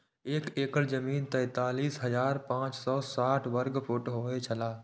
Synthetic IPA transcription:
eːkeːkəlzəmiːnt̪ɛ̃ɪt̪aːliːsɦɐzaːɾpãːt͡ʃsɔːsaːʈʰʋəɾɡpʰʊʈɦoːet͡ʃʰəlaː

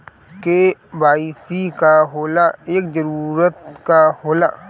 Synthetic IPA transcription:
kebaːisikaɦoːlaeːkzəɾuːɾət̪kahoːlaː

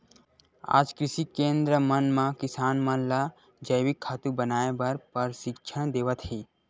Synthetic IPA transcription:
a̰ːd͡ʒkɾɪʃikẽːnd̪ɾəmənmãkɪsaːnmənla | d͡ʒəjwikʰːaːt̪ubənaːebɐɾpəɾʃɪkʃʰəd̪eːʋət̪ɦeː

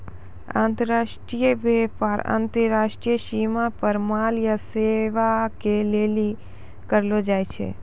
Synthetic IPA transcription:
ã̰ːnt̪əɾaʃʈɾijəʋɛpaɾã̰nt̪əɾaʃʈɾijəʃimapəɾmaljəseʋakeleli | kəɾlod͡ʒajt͡ʃʰḛ

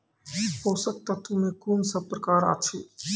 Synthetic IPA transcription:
hoːsək̚t̪at̪umẽkunsəbpːɾəkaːɾa̰ːt͡ʃʰiː

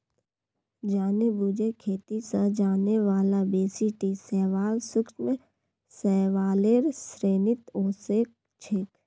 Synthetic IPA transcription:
d͡ʒaːnebud͡ʒekʰeːt̪isəd͡ʒaːneʋaːlabeːsiʈisɛːʋaːlsʊkt͡ʃmẽ | sɛːʋaːleːɾsɾeːnɪt̪õːsek̚ | t͡ʃʰɪk

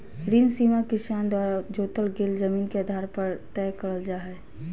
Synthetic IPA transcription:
ɾinsiːmakɪsaːnd̪waːɾad͡ʒoːt̪əlɡeːld͡ʒəmiːnkeəd̪ʱaːɾpɐɾt̪ɛːkəɾəld͡ʒaːɦɛ

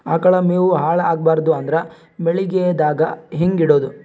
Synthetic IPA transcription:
aːkɐɭɐmeːʋuɦaːɭaːɡ̚baːɾd̪uɐnd̪ɐɾɐ | meɭiɡed̪aːɡɐɦeŋɡiɽoːd̪u

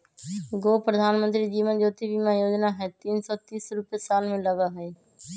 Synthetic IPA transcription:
ɡoːpɾəd̪ʱaːnmə̃nt̪ɾid͡ʒiːmənd͡ʒoːt̪ibʱimãjoːd͡ʒnaɦɛt̪iːnsɔt̪iːsɾʊpjesaːlmẽləɡaɦɛe

